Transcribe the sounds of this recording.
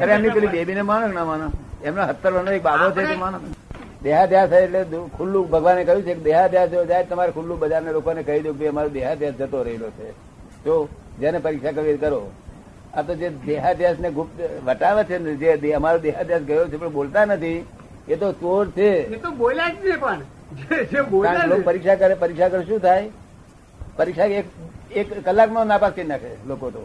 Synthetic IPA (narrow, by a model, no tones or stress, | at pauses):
ɦəɾeemnipəlibebinemañoknamaɽ̃oemnoɦət̪ːəɾʋənoek̚babʱot͡ʃʰet̪omaño | d̪eɦad̪ʱjaseʈlekʰulːũbʱəɡʋanːekəjũt͡ʃʰeked̪eɦad̪ʱjasd͡ʒd͡ʒaet̪əmaɾekʰulːũbəd͡ʒaɾnelokonekəɦid̪jok̚bʱiəmaɾod̪eɦad̪ʱjasd͡ʒət̪oɾəɦelot͡ʃʰe | t̪od͡ʒanepəɾikʃakəʋiɾkəɾo | at̪od͡ʒed̪eɦad̪jasneɡʱup̚t̪ʋəʈaʋet͡ʃʰened͡ʒed̪eəmaɾod̪eɦad̪ʱjasɡəjot͡ʃʰepəɳbolt̪anət̪ʰi | et̪ot͡ʃoɾt͡ʃʰeet̪obolad͡ʒt͡ʃepəɳ | d͡ʒed͡ʒeboãlopəɾikʃakəɾepəɾikʃakəɾʃũt̪ʰaj | pəɾikʃaekekːəlːaknonapaskəinakʰelokot̪o̰